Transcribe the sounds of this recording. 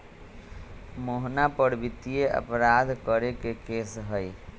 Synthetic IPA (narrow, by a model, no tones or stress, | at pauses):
moɦnapəɽbit̪ijeʔə̰pɾad̪ʱkəɾekekesɦəj